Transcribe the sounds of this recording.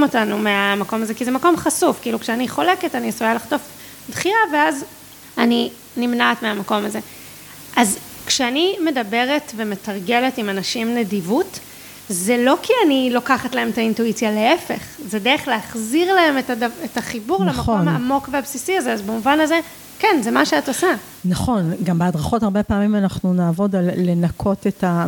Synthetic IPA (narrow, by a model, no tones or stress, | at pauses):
motanumeamako̞mazekizemako̞mχasufkiːlukʃeaniχo̞le̞ketaniasujalaχto̞f | dχiaveaz | ani | nimnaːtmeamako̞maze̞ | ʔaz | kʃeanime̞dabe̞ʁetveme̞taʁɡe̞letimanaʃimnedivut | zelo̞kʰianilo̞kaχatlaemetaintuit͡sjale̞efe̞̰χzedeʁeχleaχziʁlae̞metadavetaχibuʁlemaomhaamo̞kveabsisiazeazbemuvanaze̞ | kenzemaʃeatosa | naχo̞nɡambeadʁaχo̞taʁbe̞paːmimanaχnunaːvo̞dalːe̞nakʰo̞teta